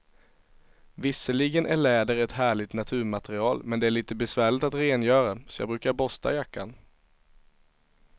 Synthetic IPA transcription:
vɪsəɭɪɡənʔæɭɛːd̪əɾɛt̪ɦæːɭɪt̪nat̪ʰʉ̟ːɾmat̪ɛɾɪɑːlmɛnd̪ɛæɭiːt̪əbɛsvæːɭɪt̪at̪ɾeːnjœːɾasɔ̥jɑ̰ɡbɾʉ̟ːkaɾbɔst̪a̰jakːan

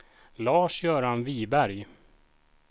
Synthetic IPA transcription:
lɑːʂjœːɾanviːbæɾj

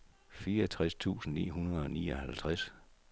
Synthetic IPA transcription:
fiːɐɐt͡sʰʁast͡sʰṵːsn̩nḭːɦunɐð̞ˠɒ̽niːɒhælt͡sʰʁas

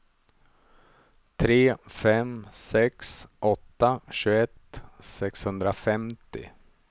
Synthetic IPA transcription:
t̪ʰɾeːfɛmsɛksʔɔt̪ːaɕʉːɛt̪sɛkshɵnd̪ɾafɛmt̪ɪ̰

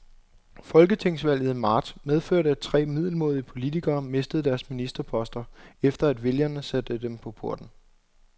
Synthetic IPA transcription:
fɒ̽lɡ̥ət͡sʰe̝ŋ̰sʋæl̰jð̩ˠimɑ̰̈ːd̥með̞ˠføɐ̰ɾəæd̥̚t͡sʰʁɛ̰ːmið̞̰ˠl̩mo̝ːð̞ˠiəpʰo̝lit͡sʰiɡ̥ɐːme̝sd̥əð̞̩ˠd̥æɐsminisd̥ɐpʰɒ̽sd̥ɐefd̥ɐæd̥ʋe̝ljɐnəsæd̥əd̥empʰɒ̽pʰo̝ɐ̰d̥n̩

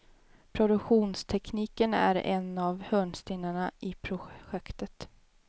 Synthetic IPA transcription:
pʰɾʊd̪ɵkɧuːnst̪ʰɛkʰniːkənæ̰ɾɛ̰navhœːɳst̪ɪːnːaɳaʔɪpʰɾʊɧɛkt̪ət̪

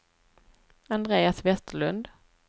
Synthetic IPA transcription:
and̪ɾeːasvɛst̪əɭɵnd̪

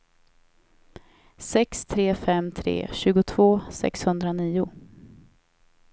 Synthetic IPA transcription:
sɛkst̪ʰɾeːfɛmt̪ʰɾḛːɕʉ̟ːɡʊt̪ʰv̥oːsɛ̰kshɵnd̪ɾaniːʊ

